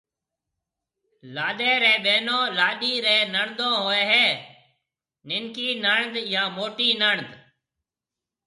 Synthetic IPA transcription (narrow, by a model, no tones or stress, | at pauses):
laːɗeːɾɛ̃ːɓeːnõːlaːɗiːɾɛ̃ːnəɳd̪õːɦoːɛːɦɛː | nɪŋkiːnəɳd̪jãːmoːʈiːnəɳd̪